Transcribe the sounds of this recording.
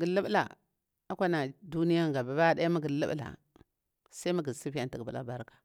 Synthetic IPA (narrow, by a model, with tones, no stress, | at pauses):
ɡi˨lə˦bla̰˨ | a˦kʷa˦na˨du˦ni˦ja˦ŋ˨ɡa˨ba˨ba˦da˦ja˦ma˦ɡi˨lə̰˦b̰la̰˨ | sa˦i˦ma˦ɡi˨si˦fi˦ja˨nti˨ɡbṵ˨la̰˦ba˦ɾkḁ˨